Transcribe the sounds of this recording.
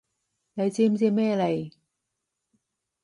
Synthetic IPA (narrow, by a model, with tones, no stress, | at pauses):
le˨˧jt͡si˧mt͡si˧mːɛː˥˨le˨˧˩j